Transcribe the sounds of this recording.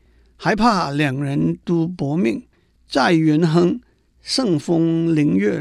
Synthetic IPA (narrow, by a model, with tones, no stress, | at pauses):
ha˧˥ɪpʰa˥˩˨ljɑ˨˩ŋɻə˧˥nt̪u˧˥pɔ˧˥˦mi˥˩ŋ | t͡sa˥˩ɪɥɛ˧˥nɦɤ˥ŋ | ʂɤ˥˧ŋfʊ˥ŋli˧˥ŋɥɛ˥˩